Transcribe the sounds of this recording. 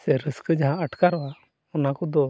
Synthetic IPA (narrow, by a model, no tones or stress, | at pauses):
sɛɾəskəd͡ʒaɦãəʈʰkaɾɔwa | ɔnakɔd̪ɔ